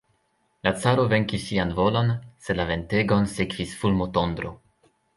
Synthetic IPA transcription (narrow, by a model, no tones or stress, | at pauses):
lat͡saɾove̞ŋkisːianvolo̞nselave̞nteɡo̞nsekv̥isfulmotond̪ɾo